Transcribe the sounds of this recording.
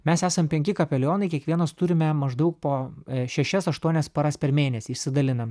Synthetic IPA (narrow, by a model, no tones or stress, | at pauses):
mʲɛsæːsɐmpʲɛŋʲkʲɪkɐpʲɛlʲoːnɐɪkʲiɛkʋʲiɛnɐst̪ʊɾʲɪmʲɛmɐʒd̪ɐʊk̚poːʃʲɛʃʲɛsɐʃt̪uɔnʲɛspɐɾɐspʲɛɾmʲeːnʲɛsʲɪʃʲsʲɪd̪ɐlʲɪnɐm